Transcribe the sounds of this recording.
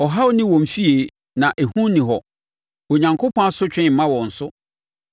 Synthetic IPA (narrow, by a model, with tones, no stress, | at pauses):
ɔ˨ɦa˦wo˦nɪ̃˦wɔ̃˨m˨fi˦e˨ | nã˨ʔæ˨hũ˦nĩ˨ɦɔ˨ | o˨ɲã˨ŋkʰo˦pʰɔ̃˦a˦sʊ˦t͡ɕᶣɪ̃˦˨m̩˨mã˦wɔ̃˨n̩˨sʊ˦